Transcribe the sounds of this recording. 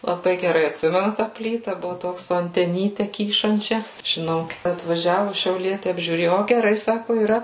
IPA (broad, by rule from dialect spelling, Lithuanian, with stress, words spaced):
lˠɐˈbɐɪ ɡʲɛˈrɐɪ ɐtʲˈsʲɪmʲɛnʊ tɑː ˈpʲlʲiːtɐ ˈbʊʋʊ ˈtoːks sʊ ɐnʲtʲɛˈnʲiːtʲɛ ˈkʲiːʃɐnʲt͡ʃʲɛ ʒʲɪˈnɐʊ ɐtʋɐˈʒʲæːʋʊ ʃʲɛʊˈlʲiɛtʲɪ ɐbʲʒʲuːˈrʲeːjʊ ˈoː ɡʲɛˈrɐɪ ˈsɑːkʊ iːˈrɐ